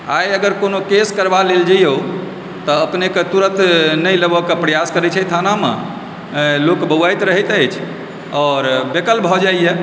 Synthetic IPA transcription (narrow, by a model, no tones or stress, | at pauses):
ajəɡəɾkonokeskəɾbaleld͡ʒəjo | t̪ɔəpneket̪uɾət̪nəjləbɔkepɾəjaskəɾɛt͡ʃʰɛt̪ʰanamḛ | lokbəwajt̪ɾəɦɛt̪əjt͡ʃʰ | ɔːɾbekəlbʱɔd͡ʒajje